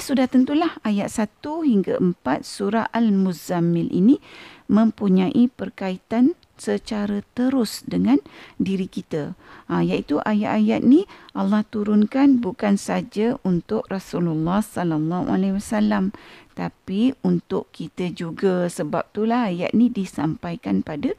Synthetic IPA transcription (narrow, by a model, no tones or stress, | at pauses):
sudaht̪ənt̪ulahajat̪̚sat̪uhiŋɡaʔəmpat̪̚suɾaalmuzamɪlʔḭnĩmə̃mpuɲãʔipərkait̪an | sət͡ʃaɾət̪əɾʊsdəŋãndiɾikit̪əjaʔit̪uʔajaʔ̪ajat̪̚nĩʔɑlːɑht̪uɾʊnkanbukansad͡ʒaʔunt̪ʊʔrasululːɑhsɔlalːɑɦṵa̰lawasalamt̪apiunt̪ʊʔkit̪əd͡ʒuɡasəbap̚t̪ulahaja̰t̪̚nĩdisampajkanpada